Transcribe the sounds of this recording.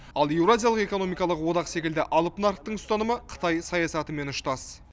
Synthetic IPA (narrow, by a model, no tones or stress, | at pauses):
ɑlˠje̞wɾazʲijalˠəqe̞kono̞mijkɑlˠəqwo̞d̪ɑqse̞kʲɪld̪ɪʔɑlˠəpnaɾqt̪əɴst̪ɑnəməqʰə̥t̪ɑjsɑjɑsɑt̪əme̞nʊʃt̪ɑs